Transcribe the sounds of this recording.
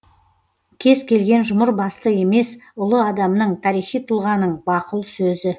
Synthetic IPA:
kʲʰe̞zkʲʰe̞lɡʲe̞nʒʊməɾbɑst̪əe̞me̞sʊlˠəɑd̪ɑmnəɴt̪ʰɑɾijχijt̪ʰulˠʁɑnəɴbɑqəlˠsɵzɪ

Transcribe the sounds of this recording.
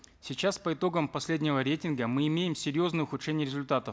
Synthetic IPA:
sʲɪt͡ɕaspəɪt̪o̞ɡəmpɐsʲlʲedʲnʲɪvəɾʲejtʲɪnɡəmɨɪmʲejɪmsʲɪɾʲjo̞znɨjəʊxʊʂɛnʲɪjəɾʲɪzʊlʲt̪at̪əf

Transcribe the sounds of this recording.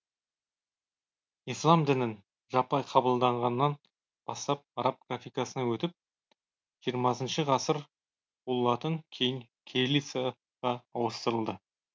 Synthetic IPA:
ijslˠɑmd̪ɪnɪn | ʒɑpɑjqʰɑbəlˠd̪ɑɴʁɑnːɑn | b̥ɑst̪ɑp̚ɑɾɑp̚ɡrafʲijkɑsənɑwɵt̪ɪp̚ | ʒ̥ijəɾmɑsənʃəʁɑsəɾ | olˠːɑt̪əŋkʲʰejɪŋ | kʲʰelisa | ʁɑːwəst̪əɾəlˠd̪ə

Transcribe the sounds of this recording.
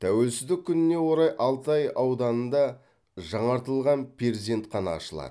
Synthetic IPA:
t̪ʰæwe̞lsɪzd̪ɪkʲʰːʏnɪne̞wo̞ɾɑjʔɑlˠt̪ɑjɑwd̪ɑnənd̪ɑ | ʒɑɴɑɾt̪əlˠʁɑnpʲʰeɾzʲent̪qʰɑnɑ̰ːʃəlˠɑ̰d̪ə

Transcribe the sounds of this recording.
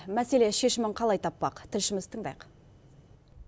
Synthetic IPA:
mæse̞le̞ʃe̞ʃɪmɪɴqʰɑlˠɑjt̪ʰɑpːɑqt̪ʰɪlʃɪmɪzt̪ʰəɴd̪ɑ̰jq

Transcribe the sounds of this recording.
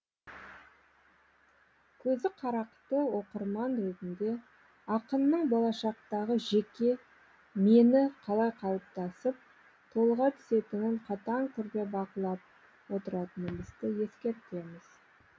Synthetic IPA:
kʲʰɵzɪqʰɑɾɑqt̪əwo̞qəɾmɑnɾezɪnd̪e̞ | ɑqənːəɴbo̞lˠɑʃɑqt̪ɑʁəʒe̞kʲe̞ | me̞nɪqʰɑlˠɑjqʰɑlˠp̚t̪ɑsəp̚ | t̪ʰo̞lˠʁɑt̪ʰʏ̥se̞t̪ɪnɪɴqʰɑt̪ɑŋt̪ʰʏɾɡ̪ʲe̞bɑqəlˠɑp̚ | wo̞t̪əɾɑt̪ənənbɪzd̪ɪje̞skʲe̞ɾt̪e̞mɪz̥

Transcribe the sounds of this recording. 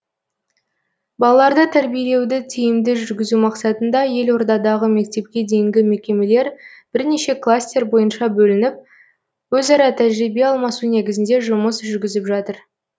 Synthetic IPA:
bɑlˠɑlˠɑɾd̪ət̪ʰæɾbijele̞wd̪ɪt̪ʰijɪmd̪ɪʒʏɾɡʲɪzumɑqsɑt̪ənd̪ɑje̞lwo̞ɾd̪ɑd̪ɑʁəme̞k̚t̪e̞p̚kʲe̞d̪e̞jɪŋɡʲɪme̞kʲe̞me̞le̞ɾb̥ɪɾne̞ʃe̞klˠast̪ʲe̞ɾbo̞jənʃɑbɵlɪnɪp̚ | wɵzɑɾɑt̪ʰæʒɾibe̞ɑlˠmɑsune̞ɡʲɪzɪnd̪e̞ʒʊməsʒʏɾɡʲɪzɪpʒɑt̪əɾ

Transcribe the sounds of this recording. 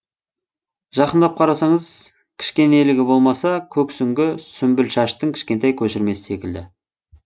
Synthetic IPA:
ʒɑqənd̪ɑp̚qʰɑɾɑsɑɴəz | kʲʰɪ̥ʃkʲe̞nelɪɡʲɪbo̞lˠmɑsɑkʲʰɵksʏŋɡʲɪsʏmbɪlʃɑʃt̪əŋkʲʰɪ̥ʃkʲe̞nt̪ɑjkʲʰɵʃɪɾme̞sɪ̥se̞kʲɪld̪ɪ

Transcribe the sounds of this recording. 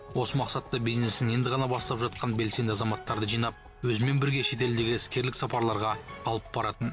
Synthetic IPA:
wo̞səmɑqsɑt̪ːɑbijzne̞sɪne̞nd̪ɪʁɑnɑbɑst̪ˠɑpʒɑt̪̚qɑnbe̞lse̞nd̪ɪɑzɑmɑt̪ːɑɾd̪əʒijnɑp̚ | wɵzɪme̞nbɪɾɡʲe̞ʃe̞t̪̬e̞ld̪e̞ɡʲɪɪskʲe̞ɾlɪksɑpɑɾlˠɑɾʁɑːlˠəp̚bɑɾɑt̪ən

